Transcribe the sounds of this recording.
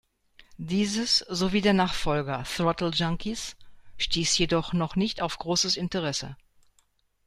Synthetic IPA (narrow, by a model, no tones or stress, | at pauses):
d̥iːzəsz̥oviːdeːɐnaːχfɔlɡɐθʁɔtl̩d͡ʒaŋkisʃtiːsjedɔχnɔχnɪçtaʊfɡ̥ʁoːsəsɪntəʁ̞ɛsə̰